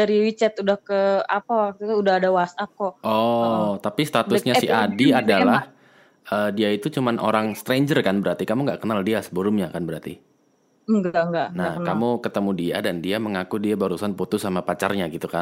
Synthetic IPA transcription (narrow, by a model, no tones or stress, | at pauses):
daɾiwit͡ʃɛt̪udahkəapawak̚t̪ut̪uudahadawasap̚kɔɔt̪apist̪at̪ʊsɲasiadiadalah | ʔəːdiait̪ut͡ʃumanʔo̰ɾaŋst̪ɾeɲd͡ʒərkanbəɾart̪ikamuŋɡaʔkənaldiasəbəɾʊmɲakanbəɾart̪ḭ | ŋɡaŋɡaʔnahŋkamukət̪əmudia̰dandiaməŋakudiabaɾusanput̪ʊsamapat͡ʃarɲaɡit̪ukan